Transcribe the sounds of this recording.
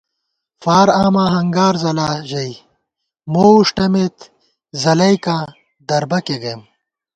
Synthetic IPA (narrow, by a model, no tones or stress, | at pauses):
faːɾaːmaːɦɐŋɡaːɾzɐlaːʑɐj | moːuʂʈɐmet̪ | zɐlɐjkaː | d̪ɐɾbɐkeɡejm